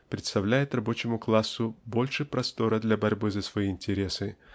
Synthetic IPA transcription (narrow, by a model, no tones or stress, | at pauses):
pɾʲɪt̪st̪ɐvlʲæjɪt̪rɐbo̞t͡ɕɪmʊklˠasːʊbo̞lʲʂɨpɾɐst̪o̞ɾəd̪lʲabɐɾʲbɨzəsvɐiːnʲtʲɪɾʲe̞sɨ